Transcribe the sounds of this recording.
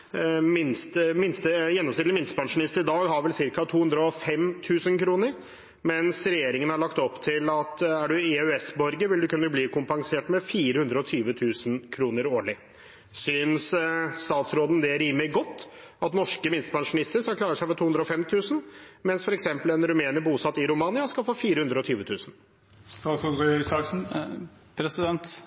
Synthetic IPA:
mɪnst̪əmɪnst̪əjɛnːɔmsɪt̪əmɪnst̪əbɾɑɳʂmɪnɪst̪əɾɪd̪ɑːɡɦɑɾʋɛlsɪɾkɑt̪ʰuːʉnd̪ɾəɔfɛmt̪ʰʉːsənkʰɾuːnəɾ | mɛnsɾɛjeːɾɪŋənæɭɑkt̪ɔpːt̪ʰɪlɑt̪æɖʉɛœɛsbɔɾɡəʋɪld̪ʉkʉnːəbliːkʰʊmpɑŋseːʈmɛfiːɾəhʉnd̪ɾəɔt̪ʰyːʋət̪ʰʉːsnkʰɾuːnəɾoːɭɪ | syːnsst̪ɑːt̪sɾoːd̪ənd̪ɛɾiːməlɪɡɔt̪ː | ɑt̪nɔʂkəmɪnst̪əbɑnʂmnɪst̪əɾsɔkʰlɑːɾəʂæɪfɔt̪ʰuːʉnd̪ɾəɔfɛmt̪ʰʉːsnmɛnsfɔɾɛksɛmpəlɛnɾʉmeːnəbuːsɑt̪ːɪɾʊmɑːnɪɑskɑlfoːfiːɾəhʉnd̪ɾəɔt̪ʰyːʋət̪ʰʉːsn̩ | st̪ɑːsɔsɑksn̩pʰɾɛsɪd̪ɛnt̪

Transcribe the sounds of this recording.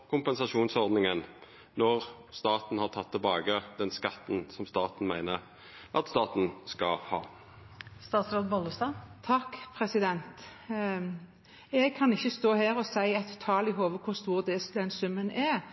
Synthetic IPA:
kʰʊmpɛnsɑʃuːnsɔʁd̪nɪŋən | nɔʁ | st̪ɑːt̪n̩hɑʁt̪ʰɑt̪ʰːɪlbɑːɡəd̪̥ɛnskɑt̪ːn̩sɔmst̪ɑːt̪n̩mæɪnəɾ | ʔɑ̰t̪st̪ɑːt̪n̩skɑ̰hɑ̰ː | st̪ɑːt̪sɾoːd̪̚bɔlːəst̪ɑːt̪ʰɑkːpʰɾɛsɪd̪ɛnt̪ | ɛɡ̚kʰɑnɪçːəst̪oːheːɾɔsæɪɛt̪ʰːɑːlɪɦoːʋəkʰʊʁst̪uːʁd̪ɛd̪ɛnsʉmːənɛ

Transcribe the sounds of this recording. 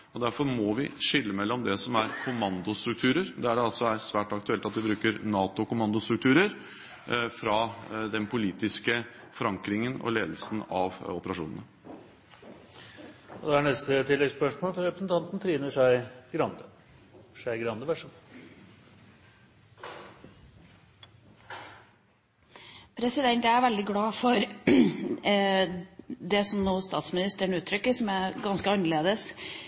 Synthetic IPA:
ɔd̪æɾfɔɾmɔʋɪ̰ʂɪlːəmɛlːɔmd̪ɛsɔmæɾkʰʊmɑnd̪ʊst̪ɾʉk̚t̪ʰʉːɾəɾd̪ɛæɖɛɑlsɔæɾsʋæːʈɑkt̪ʉɛlt̪ɑt̪̚d̪ɪbɾʉːkəɾnɑːt̪ʊkʊmɑnd̪ʊst̪ɾʉkt̪ʰʉːɾəɾ | fɾɑd̪ɛnpʰʊliːt̪ɪskəfɔɾɑŋkɾɪŋənɔ̰leːd̪əlsən̩ɑʋɔpəɾɑʂṵːnə̰nə | ɔd̪ɛæɳɛst̪ət̪ʰɪlːɛɡspœʂmoːlfɔɾɛpɾəsnt̪ʰɑnt̪n̩t̪ʰɾiːnəʂæɪɡɾɑnd̪ə | ʂæɪɡɾɑnd̪əʋæʂɔm | pʰɾɛsɪd̪ɛnt̪ææɾʋɛld̪ɪɡɽɑːfɔɾ | d̪ɛsɔmnuːst̪ɑ̰ːt̪smɪnɪst̪əɳʉːt̪ʰːɾʏkːəsɔmæɡɑnskəɑnːəɭeːd̪əs

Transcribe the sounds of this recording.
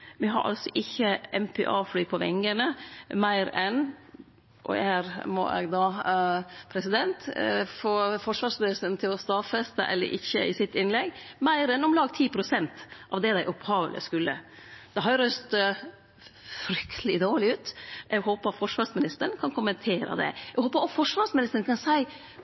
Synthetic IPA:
ʋɪɦɑ̰ɾʔɑ̰lsɔʔɪçːəɛmpʰɛ̰ːʔɑːflyːpʰɔʋɛ̰ŋɡənəmæɪɾɛn | ʔɔ̰hæːɾmɔ̰ʔɛ̰ɡd̪ɑː | pʰɾɛsɪd̪ɛnt̪fɔfɔʂʋɑːʂmɪnɪst̪ənt̪ʰɪlɔst̪ɑːfɛst̪ə̰ʔɛ̰lːə̰ɾʔɪ̰çːə̰ʔɪ̰sɪt̪ːɪnlɛɡmæɪɾɛnɔmlɑːɡt̪ʰiːpʰɾʊsɛnt̪ʔɑʋd̪ɛd̪æɪʔʊphɑːʋə̰lʔə̰skʉlːə̰d̪ɛɦɑɾɾœst̪ | fɾʏkt̪ʰəlɪd̪oːɭɪʉːt̪ʔɛɡɦoːpət̪fɔʂʋɑːsmɪnɪst̪ənkʰɑnkʰʊmənt̪ʰeːɾə̰d̪ɛ̰ɛɡhoːpəɾɑt̪fɔʂʋɑːsmɪnɪst̪əɾɳ̩kʰɑnsæɪ

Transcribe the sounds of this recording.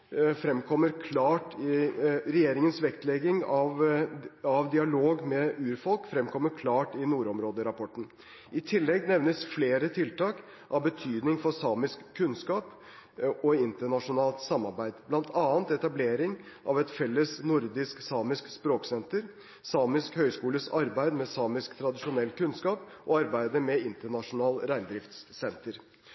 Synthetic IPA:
fɾɛmkʰɔmːəɾkʰlɑːʈɪɾɛjeːɾɪŋənsʋɛkt̪lɛɡɪŋɑʋ | ɑʋd̪ɪɑloːɡmɛʉːɾfɔlkfɾɛmkʰɔmːəɾkʰlɑːʈɪnuːɾɔmɾoːd̪əɾɑpʰɔʈːn̩ | ʔɪt̪ʰɪlːɛɡnɛʋnəsfleːɾət̪ʰɪlt̪ɑːk | ʔɑʋbət̪ʰyːd̪nɪŋfɔsɑːmɪskʰːʉnskɑːp | ɔɪnt̪əɳɑʂʊnɑːlt̪sɑmːɑɾbæɪd̪blɑnt̪ʰɑːənt̪ɛt̪ɑbleːɾɪŋʔɑʋɛt̪fɛlːəsnʊɾd̪ɪsksɑːmɪskspɾoːksɛnt̪əɾ | sɑːmɪskhœʏskuːləsɑɾbæɪd̪mɛsɑːmɪskt̪ʰɾɑd̪ɪʂʊnɛlːkʉnskɑːpʔɔɑɾbæɪd̪əmɛɪnt̪əɳɑʂʊnɑːlɾæɪnd̪ɾɪft̪ssɛnt̪əɾ

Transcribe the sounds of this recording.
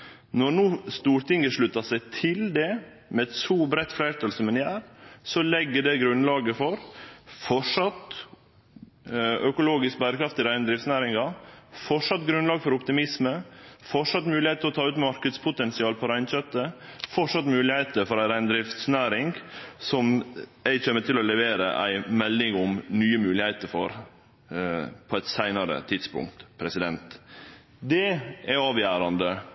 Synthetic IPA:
nɔɾnuːst̪uːɾt̪ʰɪŋəʂɭʉt̪ɑsæɪt̪ʰɪld̪ɛ | mɛɛt̪suːbɾɛt̪ːflæɪɾt̪ʰəlsɔmɛnɪæːɾsɔlɛɡːəɖɛɡɾʉnlɑːɡəfɔɾfɔʂɑt̪ | œkʊloːɡɪsk̚bæːɾəkʰɾɑft̪ɪɾæɪnəd̪ɾɪft̪snæːɾɪŋɑfɔʂɑt̪ɡɾʉnlɑːɡfɔɾʊpt̪ɪmɪsməfɔʂɑt̪mʉːlɪheɪt̪əɾɔt̪ʰɑːʉːt̪mɑɾkəd̪spʰʊt̪ɛnsɪɑːlpʰɔɾæɪnçœt̪ːəfɔʂɑt̪mʉːlɪheɪt̪əɾfɔɾæɾæɪnd̪ɾɪft̪snæːɾɪŋɡsɔmæɪçeːmːəʈ̪ʰɪlɔlɛʋeːɾə̰ʔæ̰ɪmɛlːɪŋʊmnyːəmʉːlɪhæɪt̪əɾfɔɾ | pʰɔæt̪sæɪnɑɾə̰t̪ʰɪd̪spʊ̰ŋk̚t̪pʰɾɛsɪd̪ɛnt̪ | d̪ɛɛɑːʋjæːɾɑnd̪ə

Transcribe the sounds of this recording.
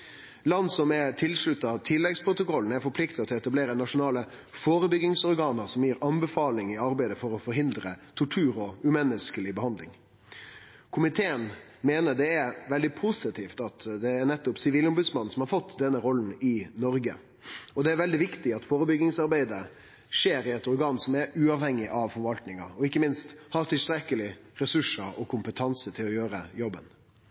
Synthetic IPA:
lɑnːsɔmɛt̪ʰɪlʂɭʉt̪ːɑt̪ʰɪlːɛɡspɾʊt̪ʊkɔln̩æɾfɔɾpʰlɪkt̪ɪɔt̪ʰɪɛt̪ɑbleːɾənɑʂʊnɑːlə | foːɾəbʏɡɪŋsɔɾɡɑːnəɾsɔmjiːɾɑnbəfɑːlɪŋɪɑɾbæɪd̪əfɔɾɔfɔɾɦɪnd̪ɾət̪ʰʊʈʰʉːɾɔʉmɛnːəskəlɪbəhɑnd̪lɪ̰ŋ | kʰʊmɪt̪ʰeːən | meːnəɾɖ̪ɛæɾʋɛld̪ɪpʰusɪt̪ʰiːft̪ɑt̪d̪ɛːɾnɛt̪ːʊpsɪʋiːlʊmbʉd̪smɑn̩ːsɔmhɑɾfɔt̪ːd̪ɛnːəɾɔln̩ɪnɔɾɡə̰ | ɔd̪ɛæɾʋɛld̪ɪʋɪkt̪ɪɑt̪foːɾəbʏɡɪŋsɑɾbæɪd̪ə | ʂeːɾɪɛt̪ɔɾɡɑːnsɔmɛɾʉːɑʋhɛŋːɪʔɑʋfɔɾʋɑlt̪nɪŋɑ̰ɔɪkːəmɪnst̪hɑːt̪ʰɪlst̪ɾɛkːəlɪɾɛsʉʂəɾɔkʰʊmpət̪ʰɑnsət̪ʰɪlɔjøːɾəjɔbːən

